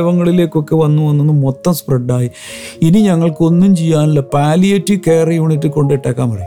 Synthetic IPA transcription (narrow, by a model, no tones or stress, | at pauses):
ʋɐŋːɐɭile̞ːkːo̞kːe̞ʋɐnːuʋɐnːunːɨmo̞t̪ːɐmspreɖːaːji | iniɲɐŋːɐɭko̞nːumt͡ɕijːaːnɐlːɐpaːlijɐtːɨkeːrɐjuːɳitːɨko̞ɳɖeʈːaːkːaːmpɐɽɐ